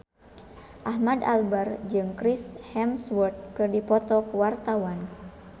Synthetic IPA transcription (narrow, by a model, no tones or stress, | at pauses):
ʔaɦmada̰lbard͡ʒɨŋkɾishɛmswərt̪̚kɨrdipɔt̪ɔkəwart̪awan